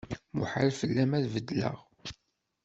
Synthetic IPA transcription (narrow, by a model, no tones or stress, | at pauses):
mṵħalfəlːæmæðvəd̪lə̰ʁ